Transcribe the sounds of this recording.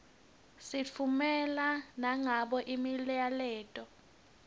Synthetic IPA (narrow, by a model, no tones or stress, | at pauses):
sit͡fʰumɛlanaŋaɓɔʔimiljalɛːtʼɔ